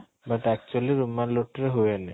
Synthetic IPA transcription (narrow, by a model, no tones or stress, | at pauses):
baʈɛk̚t͡ɕualeɾumːanloʈːɾeɦoene